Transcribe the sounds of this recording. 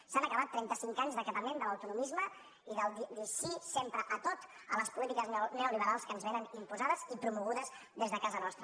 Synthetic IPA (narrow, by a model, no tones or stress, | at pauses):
sanəkəβat̪ːɾɛnt̪əsiŋkaɲzðəkət̪əmend̪ələwt̪unumizmə | iðəlˠd̪id̪iʃisempɾəʔət̪ot̪ | ələspulit̪ikəznɛuliβ̞əɾalˠskənzβenənimpuzaðəzipɾumuɣ̞uðəz | ðezðəkazənɔst̪ɾə